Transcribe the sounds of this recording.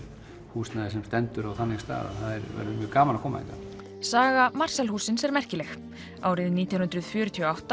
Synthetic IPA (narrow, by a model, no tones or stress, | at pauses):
huːsnaðɪsɛmst̪ɛnt̪ʏɾawθanːɪst̪a̰ːða̰ðθaðɛɾvɛ̰ɾðʏmjœːɣkaːmalakʰɔːma̰ḭŋka | saːɣamar̥sɛlhuːsɪnsɛɾmɛr̥cɪlɛx | aːwɾɪðniːt̪jawnnt̪ɾʏð̥fjœːɾʏt̪ʰiɔːawht̪a